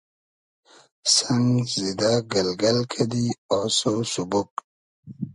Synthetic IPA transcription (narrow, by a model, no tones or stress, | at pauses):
saŋɡzid̪aɡalɡalkʰad̪iososubuk